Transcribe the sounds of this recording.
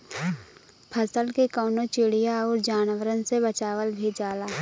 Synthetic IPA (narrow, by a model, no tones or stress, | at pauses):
pʰəsəlkekɔːnõt͡ʃɪɽijaɔːɾd͡ʒaːnʋəɾənsebət͡ʃaːʋəlbʱid͡ʒaːlaː